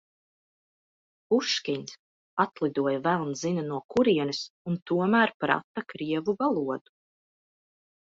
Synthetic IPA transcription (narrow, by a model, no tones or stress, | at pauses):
uʃkʲinʲs | at̪lˠid̪uɔjavælˠnzinanuɔkuɾiɛnisunt̪uɔmæːɾpɾa̰t̪akɾiɛvuvalˠuɔd̪̥u̥